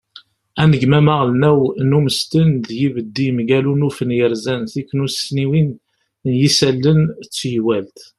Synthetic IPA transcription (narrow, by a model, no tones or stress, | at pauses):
ænəɡmæmæʁlnæwnuməst̪ənðjivəd̪ːimɡælunufənjəɾzænθikːnusniwin | jisælːənt͡sːjwælt̪